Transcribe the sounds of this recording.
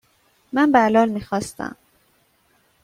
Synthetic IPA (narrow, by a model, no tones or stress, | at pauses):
mambaʕlɑːlmixɑst̪a̰